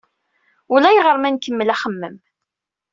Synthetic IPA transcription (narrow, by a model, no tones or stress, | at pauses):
ʊlæjʁəɾˤmænkːəmːəlæχəmːəm